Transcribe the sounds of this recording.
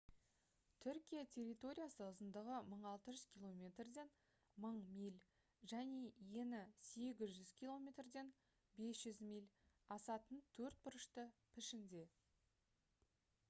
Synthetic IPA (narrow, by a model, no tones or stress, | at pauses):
t̪ʰʏɾkʲijat̪ʰe̞rʲijt̪o̞ɾʲijasəʊzənd̪əʁəməɴɑlˠt̪əʒʏz̥kʲʰilˠo̞mʲe̞t̪rd̪e̞n | məɴmʲijlʲ | ʒæne̞je̞nɪse̞ɡʲɪzʒʏz̥kʲʰilˠo̞mʲe̞t̪rd̪e̞n | be̞sʒ̥ʏzmijlʲ | ɑsɑt̪ənt̪ʰɵɾt̪̚bʊɾəʃt̪əpʰɪʃɪnd̪e̞